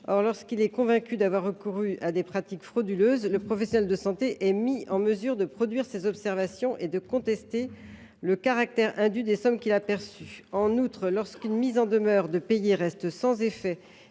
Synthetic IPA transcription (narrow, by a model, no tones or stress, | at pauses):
ɔʁlɔʁskilɛkɔ̃vɛ̃kʲyd̪avwaʁːəkuʁyad̪epχat̪ikfχod̪yløzləpχɔfɛsjɔnɛld̪əsɑ̃t̪eʔɛmiɑ̃məzyʁd̪əpχɔd̪ɥiʁsezɔpsɛʁvasjɔ̃ʔed̪əkɔ̃t̪ɛst̪e | ləkaʁak̚t̪ɛʁɛ̃d̪yd̪esɔmkʲilapɛʁsyɑ̃nut̪χlɔʁskynmizɑ̃d̪əmœʁd̪əpejeʁɛst̪sɑ̃zefɛ